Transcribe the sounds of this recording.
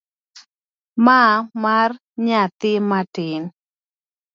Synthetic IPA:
mamar | ɲat̪ɪmatɪn

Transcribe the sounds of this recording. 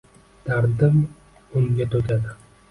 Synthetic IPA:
t̪ʰaɾd̪ɪm | ʊmɡʲat̪ʰokʲʰad̪ɪ

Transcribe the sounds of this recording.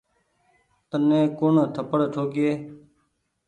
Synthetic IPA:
t̪ənẽːkʊɳt̪ʰəpəɽt̪ʰoːkɪeː

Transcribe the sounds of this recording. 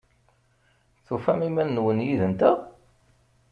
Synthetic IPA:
θufæmimænːwənjiðənt̪æ

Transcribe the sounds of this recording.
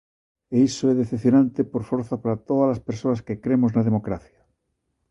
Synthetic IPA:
eisoɛðeθeθjonãnt̪epoɾfoɾθapaɾat̪oðalaspeɾsoaskekɾemoznaðemokɾaθja

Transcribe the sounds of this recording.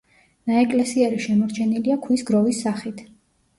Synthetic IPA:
naɛkʼlɛsiɛɾiʃɛmɔɾt͡ʃʰɛniliakʰwisɡɾɔvisːaχit̪ʰ

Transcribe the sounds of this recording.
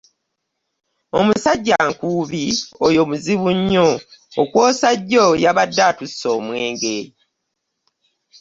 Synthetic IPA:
omusaɟːaːŋkuːβiojo̞muziβuɲːoːkwo̞ːsaɟːojaβadːaːtusːo̞ːmweːŋɡe

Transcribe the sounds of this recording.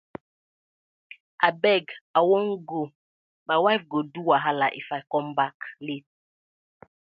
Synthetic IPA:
abɛɡawɔŋ̩ɡo | mawavɡoduwaɦalaʔḭfakɔmbaklit̚

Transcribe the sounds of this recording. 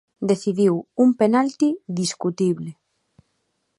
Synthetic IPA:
d̪eθiðiwumpenalt̪id̪iskut̪iβlɪ

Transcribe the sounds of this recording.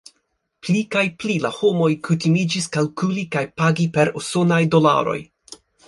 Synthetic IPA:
plikajplilaho̞mo̞jkʰutimid͡ʒiskalkulikajpaɡipe̞ɾoso̞najdo̞la̰ɾo̰j

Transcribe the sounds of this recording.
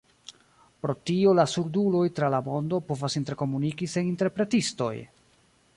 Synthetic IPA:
pɾo̞tio̞lasuɾdulo̞jtɾalamo̞ndo̞po̞vasinte̞ɾko̞munikise̞ninte̞ɾpɾe̞tisto̞̰j

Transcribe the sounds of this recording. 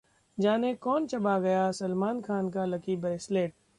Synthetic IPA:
d͡ʒaːnekɔːnt͡ʃɐbaɡɐjasɐlmaːnkʰaːnkalɐkibɛsleːʈ̚

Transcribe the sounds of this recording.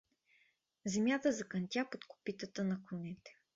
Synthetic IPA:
zɛmʲjat̪əzɐkɐnt̪ʲapot̪ko̥pit̪ət̪ənɐkonɛt̪ɛ̥

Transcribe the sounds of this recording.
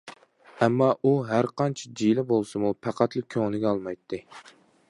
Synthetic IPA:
ɛmːɑʔuɦæɾqʰɑnt͡ʃʰɛd͡ʒilɪbolˠsɨmupʰæqʰɑt̪lˠɪkʲʰoŋnɪɡʲɛɑlˠmɑjt̪ʰːɨ

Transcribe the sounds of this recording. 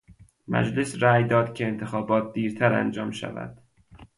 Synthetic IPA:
mæ̰d͡ʒle̞sɾæːjd̪ɒːd̪cʰe̞ːnt̪ʰexɒːbɒːt̪̚d̪iːɾt̪ʰæɾæ̰nd͡ʒɒːmʃæ̰væ̰d̪̥

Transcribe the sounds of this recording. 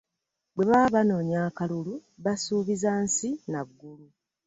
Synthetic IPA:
bwe̞βaβano̞ːɲaːkaluluβasuːβizansinaɡːulu

